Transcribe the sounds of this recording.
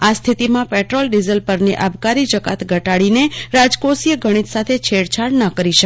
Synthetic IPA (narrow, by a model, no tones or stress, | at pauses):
ast̪ʰit̪imãpɛʈɾolɖizəlpəɾniʔabkaɾid͡ʒəka̰t̪ʰɡʱəʈaɭineɾad͡ʒkosijəɡʱəɽ̃it̪sat̪ʰet͡ʃʰeɽt͡ʃʰaɽnəkəɾiʃək